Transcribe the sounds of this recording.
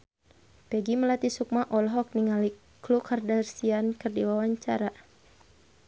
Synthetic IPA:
pɛɡiməlat̪isuk̚maʔɔlɦɔk̚niŋali | klukʰardarsiankərdiwawaɲt͡ʃaɾa

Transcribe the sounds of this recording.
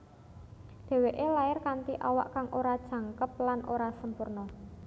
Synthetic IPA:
d̪̥e̤weʔelaɪrkant̪iʔawa̰ʔkaŋʔoɾad̥ʒ̥ä̤ŋkəp̚lanʔo̰ɾasəmpurnɔ

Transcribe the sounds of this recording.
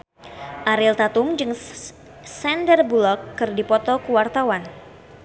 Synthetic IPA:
ʔaɾilt̪at̪umd͡ʒɨŋ | sɛndərbulɔkːɨrdipɔt̪ɔkuwart̪awan

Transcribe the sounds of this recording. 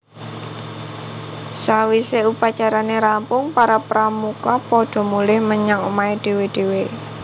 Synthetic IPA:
sawiseupat͡ʃaɾaneɾampʊŋpaɾapɾamukɔpɔɖ̥ɔ̤mulɪhməɲaŋomaeɖ̥e̤weɖ̥e̤we

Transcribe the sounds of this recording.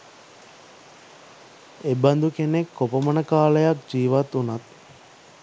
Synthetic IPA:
eband̪ukenekːopəmənəkaːləjak̚d͡ʒiːʋat̪unat̪

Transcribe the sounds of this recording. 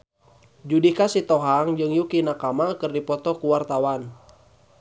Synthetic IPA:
d͡ʒudikasit̪ɔɦaŋd͡ʒɨŋjukinakamakɨrdipɔt̪ɔkuwart̪awan

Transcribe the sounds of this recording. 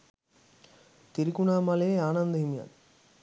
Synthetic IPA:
t̪iɾikunaːmɐleaːnɐnd̪ɐɦimja̰ːn

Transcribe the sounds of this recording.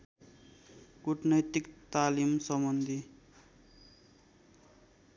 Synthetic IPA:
kuʈnʌjt̪ikt̪alimsʌmʌnd̪ʱi

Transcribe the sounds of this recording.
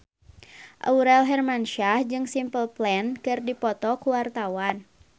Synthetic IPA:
ʔa̰uɾɛlɦɛrmanʃahd͡ʒɨŋsimpəlplɛnkɨrdipɔt̪ɔkuwart̪awan

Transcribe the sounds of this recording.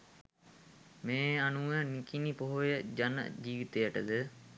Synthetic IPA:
meːanuʋənikinipoɦojəd͡ʒanə̰d͡ʒiːʋit̪ejəʈəd̪ə

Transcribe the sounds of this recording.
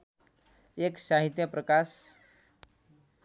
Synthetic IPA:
eksaɦit̪jəpɾəkas

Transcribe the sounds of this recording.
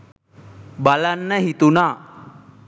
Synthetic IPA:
balanːəɦit̪una

